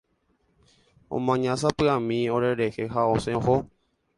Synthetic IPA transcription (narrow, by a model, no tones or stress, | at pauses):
õ̰mãɲãsapɨamĩoɾeɾexeɦaosẽho